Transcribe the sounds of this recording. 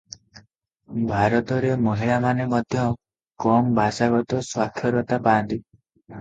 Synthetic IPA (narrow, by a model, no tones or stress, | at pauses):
bʱaɾɔt̪ɔɾemɔɦiɭamanemɔd̪ʱjɔ | kɔmbʱasaɡɔt̪ɔswak̪ʰjɔɾɔt̪apaːnt̪i